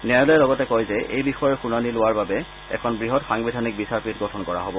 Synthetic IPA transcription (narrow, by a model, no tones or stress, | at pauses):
nɛlɔjɛlɔɡɔtɛkɔjzɛʔḛjbixɔjɔɹxunanilʊaɹbabɛ | ɛ̰kʰɔnbɹiɦɔtxaŋbidʱanik̚bisaɹpit̚ɡɔtʰɔnkɔɹa̰ɦobɔ